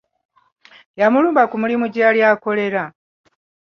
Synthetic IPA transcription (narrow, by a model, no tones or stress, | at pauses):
jamuluːmbakumulimuɟaːljaːko̞le̞ɾa